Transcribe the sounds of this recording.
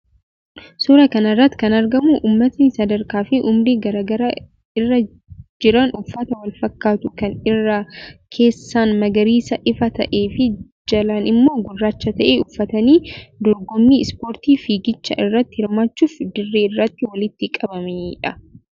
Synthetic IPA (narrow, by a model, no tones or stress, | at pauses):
suːɾɐkɐnɐrːɐt̪ːɪ̥kɐnɐɾɡɐmuʔuːmːɐt̪nɪsɐd̪ɐɾkaːfɪʔʊmɾeːɡɐɾaːɡɐɾa | ɪrːɐ | d͡ʒɪɾɐnʊfːɐt̪ɐwɐlfɐkːaːt̪ʊkɐnɪrːakʰe̞ːsːaːnmɐɡɐɾiːsɐʔɪfɐt̪ɐʔeːfɪ | d͡ʒɐlanɪmːo̞ːɡʊrːaːt͡ʃːɐt̪ɐʔeʊfːɐt̪ɐniːd̪ɔɾɡɔmːiːɪspo̞ːɾt̪iːfiːɡɪt͡ʃːɐʔɪrːɐt̪ːɪhɪɾmaːt͡ʃːuːfd̪ɪrːeːɪrːɐt̪ːɪwɐlɪt̪ːɪkʼɐbɐmeᶑɐ